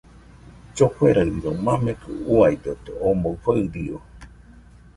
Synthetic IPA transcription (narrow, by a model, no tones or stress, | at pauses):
t͡ʃohʷeɾaβiɾomãmẽkɨ̰uajd̪ot̪eõmbowfaɨɾio